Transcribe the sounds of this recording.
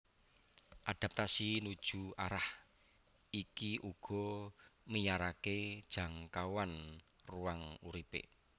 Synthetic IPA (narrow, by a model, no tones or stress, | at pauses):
ʔad̥a̤p̚t̪asinud̥ʒ̥ṳaɾah | ikiʔuɡ̥ɔ̤məjaɾaked̥ʒ̥a̤ŋkawanruaŋuɾipḛ